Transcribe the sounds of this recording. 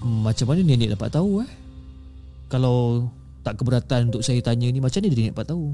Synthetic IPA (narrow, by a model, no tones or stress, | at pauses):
mat͡ʃamanənaniʔdapa̰ʔt̪auah | kalaw | t̪aʔkəbəɾat̪anunt̪ʊk̚sajət̪aɲənimat͡ʃamnədiiniʔdapaʔt̪au